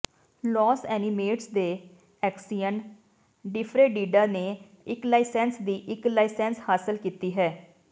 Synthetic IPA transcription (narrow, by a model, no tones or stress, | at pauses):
lɔːsɛːnimeːʈsd̪eː | ɛːksijən | ɖɪfʰɾeːɖiːɖaːneː | ɪklaːɪsɛ̃ːnsd̪iːʔɪklaːɪsɛ̃ːnshaːsəlkiːt̪iːɦɛː